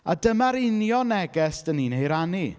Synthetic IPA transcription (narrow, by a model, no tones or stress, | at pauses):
adəmaɾɪnjɔnɛɡɛsd̥əninejɾani